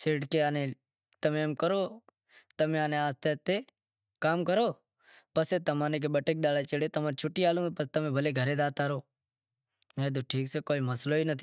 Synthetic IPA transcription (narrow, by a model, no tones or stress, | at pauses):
seːʈkeaːne | t̪əmeːmkəɾoː | t̪əmẽaːneaːst̪et̪ːe | kaːmkəɾoː | pəset̪əmaːnek̬ebəʈek̚d̪aːlat͡ʃəɽet̪əmaːɾt͡ʃʰʊʈːiːaːlũːpəst̪ɐmẽːbʱəleɡʱəɾeːd̪aːt̪aːɾoː | mẽːd̪̬oːʈʰiːkseːkoːiməsloːiːnət̪ʰi